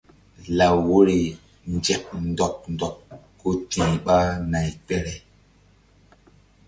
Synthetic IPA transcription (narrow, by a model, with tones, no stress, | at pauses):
la˨wo˦ɾi˨ | nd͡ʒɛ˨p̚ndɔ˨k̚ndɔ˨kː | o˦tĩ˨ɓa˦na˨jk͡pɛ˦ɾɛ˨